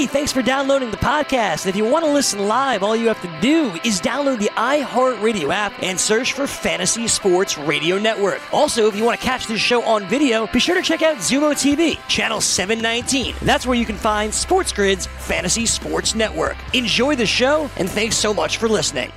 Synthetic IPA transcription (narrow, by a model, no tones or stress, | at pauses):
θæ̃ŋksfə˞dãʊ̃nloʊɾɪ̃ŋðəpʰɑd̚kʰæstɨ̃nɨfjɨwɑ̃nəlɪsn̩laɪvɔlˠjɨhæftɨduɪzdãʊ̃nloʊd̪̚ðiʔaɪhɑɹɹeɪɾioʊæp̚ʔɨ̃nsɜ˞t͡ʃfə˞fæ̃ɾ̃ɨsispɔɹtsɹeɪɾioʊnɛʔwɜ˞kʔɔlˠsoʊɨfjɨwɑ̃nɨkʰæt͡ʃðɪsʃoʊʔə̃nvɪɾioʊb̥iʃʊɹɾɨt͡ʃʰɛkaʊtzʉmoʊtʰivit͡ʃʰænl̩ˠsɛvɨ̃nːãɪ̃ntʰḭ̃nðætswə˞jɨkn̩fãɪ̃nd̥spɔɹtsɡ̥ɹɪdz̥fæ̃ñɨsispɔɹtsnɛʔwɜ̰˞kɨ̃nd͡ʒɔɪðɨʃoʊʔɨ̰̃nθæ̃ŋksoʊmʌt͡ʃfə˞lɪsnɪ̰̃ŋ